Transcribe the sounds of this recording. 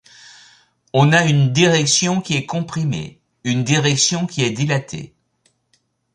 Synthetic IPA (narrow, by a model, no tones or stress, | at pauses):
ɔ̃naynd̪iʁɛksjɔ̃kʲiɛkɔ̃pχimḛ | ynd̪iʁɛksjɔ̃kʲiɛd̪ilat̪ʰḛ